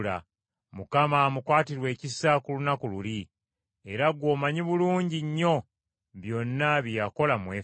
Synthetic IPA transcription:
la̰ | mukamaːmukwaːtiɾwe̞ːcisakulunakululi | e̞ɾaɡwo̞ːmaɲiβuluːɲɟiɲːo̞ | βjo̞nːaβjijako̞lamweː

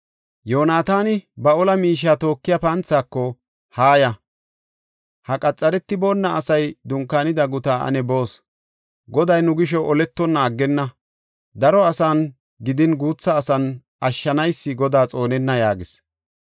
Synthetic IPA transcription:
jo̞ːnaːt̪aːnɪbɐɔlɐmiːʃ̬ːaːt̪o̞ːkːɪjɐpɐnt͡sːaːkːɔ | haːjɐ | hɐkʼɐt͡sʼːɐɾɛt̪ːɪbo̞ːnːɐʔːsɐjd̪ʊŋkːaːnɪd̪ɐɡʊt̪aːʔɐ̰nɛbo̞ːs | ɡɔd̪ɐjnʊɡɪʃ̬ɔʔɔlɛt̪ːɔnːaːɡːɛnːɐ | d̪ɐɾɔɐsaːn | ɡɪd̪ɪnɡuːt͡sːɐːsɐn | ʔɐʃːɐnɐjsːɪɡɔd̪aːt͡sʼo̞ːnɛnːɐjaːɡɪs

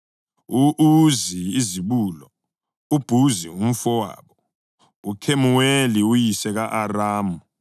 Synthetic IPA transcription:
uʔuziiziɓulɔ̰ | ub̥ʱuzium̩fɔwa̰ːɓɔ | ukʰemuweliujisɛɣaʔaraːmu

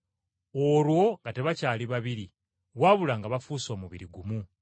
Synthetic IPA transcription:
olwo̞ŋɡate̞βacaːliβaβiɾi | ɣwaːβulaːŋɡaβafuːsomuβḭɾiɡumu

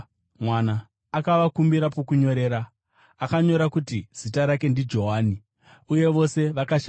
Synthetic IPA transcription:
mwanaː | kaʋakumbiɾapokuɲo̞ɾe̞ːɾa | akaɲo̞ɾakutiz̥itaɾake̞ndid͡ʒo̞ɦaːni | uje̞ʋo̞se̞ʋakaʃa

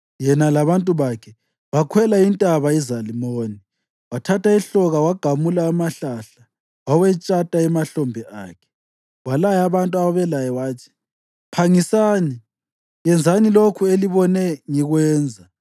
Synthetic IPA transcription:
jɛnalaβantʼuβakʰɛ | βakʰwɛlaintʼaβaizalimoːni | watʰatʰaiɬɔɣawaɡ̥ʱamulaːmaɬaɬa | wawɛt͡ʃʼatʼaɛmaɬɔmbʱɛʔa̰ːkʰɛ̥ | walajaβantʼuaβaβɛlajɛwaːtʰi̥ | pʰaŋisaːni | jɛnd͡zʱanilokʰueliβɔnɛŋiɣwɛːnd͡zʱa

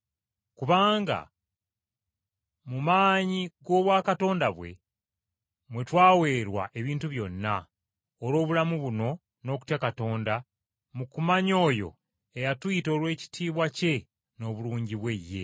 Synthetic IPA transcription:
kuβaːŋɡa̰ | mumaːɲiɡo̞ːβwaːkato̞ːndaβwe̞̰ | mwe̞twaːwe̞ːɾwa̰ʔe̞βiːntuβjo̞nːa | oɾo̞ːβulamuβuno̞ | no̞ːk̬u̥tjakato̞ːnda | mukumaɲo̞ːjo̞̰ | ejatwito̞lwe̞ːci̥tʰiːβwace̞ | no̞ːβuluːɲɟiβwe̞jːe̞̰

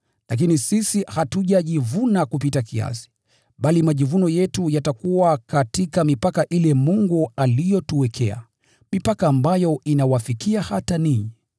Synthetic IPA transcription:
lak̬inisisihatuʄaʄivunakupitakia̰si̥ | ɓalimaʄivunɔjɛtujatakuwakatikamipakaʔilɛmuŋɡualijɔtuwɛkʰɛa̰ | mipakaːmbajɔinawafikiahataniɲɛ

